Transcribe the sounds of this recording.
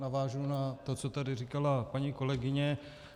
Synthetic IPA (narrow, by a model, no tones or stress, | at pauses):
navaːʒunat̪o̞t͡so̞t̪adɪriːkalapaɲiːko̞lɛɡɪɲɛ